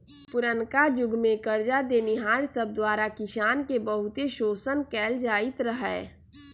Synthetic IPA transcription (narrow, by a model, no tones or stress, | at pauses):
pʊɾənkad͡ʒʊɡʱmẽkəɾd͡ʒad̪eːnɪɦaːɾsəb̚d̪waːɾakɪʃaːnkebəɦʊt̪eʃoːsənkɛːld͡ʒaːɪt̪ɾəɦɛː